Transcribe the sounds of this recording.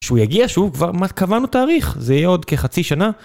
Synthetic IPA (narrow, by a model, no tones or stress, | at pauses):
ʃeujaɡiaʃuvkvaʁmatkavanutaːʁiχzeijeo̞d̪keχat͡siʃana